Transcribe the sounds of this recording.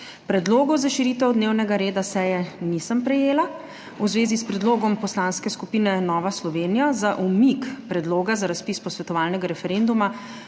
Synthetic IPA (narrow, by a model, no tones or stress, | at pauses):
pɾɛd̪loːɡɔzaʃiɾiːt̪ɛwd̪neːwnɛɡaɾeːd̪asɛːjɛnisəmpɾɛjeːla | uzʋeːzispɾɛd̪loːɡɔmpɔslanskɛskupiːnɛnɔːʋaslɔʋeːnijazaʔumikpɾɛd̪loːɡazaɾaspiːspɔsʋɛt̪ɔʋaːlnɛɡaɾɛfɛɾend̪uma